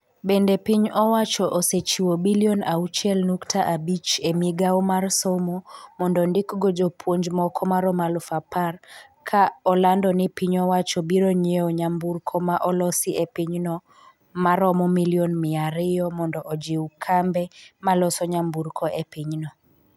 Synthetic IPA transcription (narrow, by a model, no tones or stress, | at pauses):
bendepiɲɔwat͡ʃɔʔɔset͡ʃiwobiliɔnaut͡ʃjɛlnuktʰaʔabit͡ʃemiɡawmarsɔmɔmɔndɔndɪkɡɔd͡ʒopʰwoɲd͡ʒmɔkʰɔmaɾɔmalʊfaparkʰaɔlandɔnɪpiɲɔwat͡ʃɔbiɾɔɲeɔɲamburkʰɔmaʔɔlɔsɪʔepiɲnɔ | maɾɔmɔmiliɔnmɪaɾɪjɔmɔndɔʔɔd͡ʒiwkʰambɛmalɔsɔɲambuɾkʰɔʔepiɲnɔ